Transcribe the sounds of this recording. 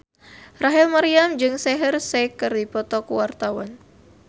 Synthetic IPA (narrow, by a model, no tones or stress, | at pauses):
raɦilmaɾiamd͡ʒɨŋsɛɦərsɛkɨrdipɔt̪ɔkuwart̪awan